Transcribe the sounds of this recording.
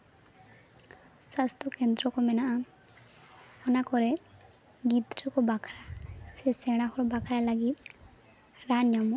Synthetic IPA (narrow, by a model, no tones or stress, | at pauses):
sast̪ʰɔkend̪ɾɔkɔmɛnaʔa | ɔnakɔɾɛ | ɡid̪ɾɔkɔbakʰɾasɛsɛɽ̃akɔɾɔbakʰɾalaɡit̪̚ | ɾanjamɔ